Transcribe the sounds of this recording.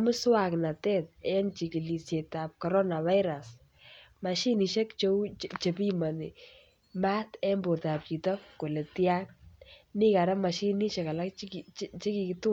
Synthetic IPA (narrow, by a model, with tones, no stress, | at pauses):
mʊ˦swa˨kna˨tɛ˦t̚ɛ˦nt͡ʃi˨ki˨li˨sjɛ˨ta˨p̚kɔ˨ɾɔ˦na˨βa˦ɪɾa˨s | ma˨ʃi˦ni˨ʃɛ˦kt͡ʃo˦t͡ʃe˨pi˦ma˨ni˨ | ma˦tɛ˦mbo˨ɾta˨p̚t͡ʃi˨tɔ˦ko˨le˨tja˦nni˦ka˨ɾɛ˦ma˨ʃi˦ni˦ʃɛ˨ka˨la˦kkt͡ʃi˦ki˨kɪtu˦